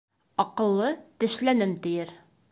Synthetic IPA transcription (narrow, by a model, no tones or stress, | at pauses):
ɒqɤ̆lˠːɤt̪ɘ̆ʃlænɘmt̪ɘ̆jɘɾ